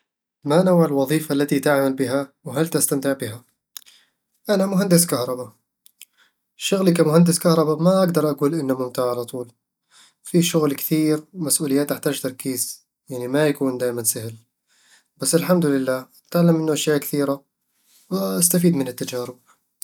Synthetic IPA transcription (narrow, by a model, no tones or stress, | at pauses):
manawʕalwɑðˤiːfalːat̪it̪aʕmalbɪɦawɦalt̪ast̪amt̪ɪʕbɪɦa | ʔanamʊɦand̪ɪs̬kɑhɾˤɑba | ʃʊɣlikamʊhand̪ɪskɑhɾˤɑbamaʔaɡd̪ɑɾˤʔaɡuːlʔɪnːamʊmt̪ɪʕalat̪ˤuːl | fiʃʊɣlkɪ̥θiːɾmasʔuːlɪjːaːt̪ʔaħt̪aːd͡ʒt̪ɑɾˤkiːz̥ | jaʕnimajakuːnd̪aːʔmansahl | b̥asːɪlħamd̪ʊlɪlːaː | t̪ɪʕlamʔɪnːʊʔaʃjaːʔkɪ̥θiːɾa | wʔast̪afiːd̪mɪnɪt̪ːad͡ʒaːɾɪb̚